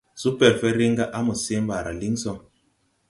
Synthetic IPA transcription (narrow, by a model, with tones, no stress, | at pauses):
su˦pɛ˨ɾfɛ˦ɾi˦ŋɡa˦ʔa˦mu˨se˦mba˨ɾa̰˨li˦ŋsɔ˦ŋ